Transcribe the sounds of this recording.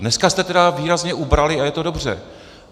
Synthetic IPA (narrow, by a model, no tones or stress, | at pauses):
nɛskast̪ɛt̪ɛdaviːɾazɲɛʔubɾalɪajɛt̪o̞do̞br̝ɛ̰